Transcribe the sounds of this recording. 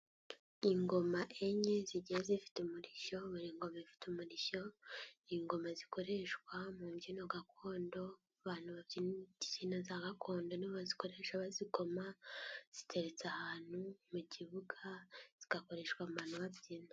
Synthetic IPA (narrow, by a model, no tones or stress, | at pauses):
iŋɡo̞maʔeɲeziɟijezifi̥teumuɾiʃo̞βuɾiːŋɡo̞maifi̥tumuɾiʃo̞iŋɡo̞maziko̞ɾeʃkwamuːβjiːnoɡakʰoːndo̞ | aβaːn̥huβaβjinzinozaɡakʰo̞ːndoniβazi̥koɾe̞ʃaβaziko̞maz̥i̥tʰe̞ɾe̞t͡sahaːn̥humuɟiβuɡaz̥iɡ̥ako̞ɾe̞ːʃkwamuβaːn̥huβaβjiːno